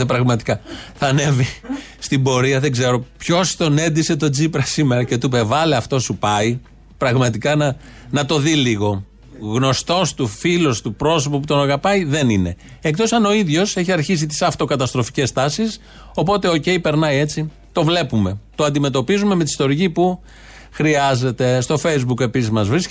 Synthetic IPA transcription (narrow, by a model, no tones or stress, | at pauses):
epɾɐɣmɐt̪i̥kɐθɐne̞vi | st̪ibo̞ɾiɐðe̞ɡze̞ɾo̞pço̞st̪o̞ne̞nd̪ise̞t̪o̞d͡zipɾɐsime̞ɾɐce̞t̪upe̞vɐleɐft̪o̞supɐi | pɾɐɣmɐt̪ikɐnɐnɐt̪o̞ðiliɣo̞ | ɣno̞st̪o̞st̪ufilo̞st̪upɾo̞so̞poput̪o̞nɐɣɐpɐiðe̞nine̞ | ek̚t̪o̞sɐno̞iðʝo̞se̞çiɐɾçis̬it̪i̥sɐft̪o̞kɐt̪ɐst̪ɾo̞fi̥ce̞st̪ɐsis | o̞po̞t̪e̞o̞ce̞ipe̞ɾnɐie̞t͡si | t̪o̞vle̞pume̞t̪oɐnd̪ime̞t̪o̞pizume̞me̞t̪i̥st̪o̞ɾicipu | xɾiɐze̞t̪e̞st̪o̞fejzbuke̞pisizmɐzvɾis